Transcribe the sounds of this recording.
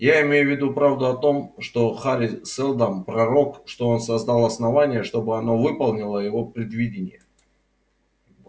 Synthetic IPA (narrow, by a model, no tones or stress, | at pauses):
jaɪmʲejʊvʲɪd̪upɾavd̪ʊɐt̪o̞mʂt̪o̞xaɾʲɪsɛlˠd̪ampɾɐɾo̞kʂt̪o̞onsɐzd̪alˠɐsnɐvanʲɪjəʂt̪o̞bɨɐno̞vɨpɐlˠnʲɪlˠəjɪvo̞pɾʲɪd̪vʲidʲɪnʲɪjə